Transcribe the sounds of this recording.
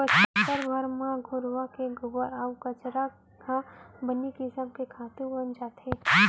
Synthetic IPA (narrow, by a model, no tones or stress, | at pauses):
ət͡ʃt̪əɾbʱəɾmãɡʱʊɾʋakeɡʊbəɾakɐt͡ʃɾa | kãbənikɪsəmkekʰaːt̪ũbənd͡ʒaːt̪ʰeː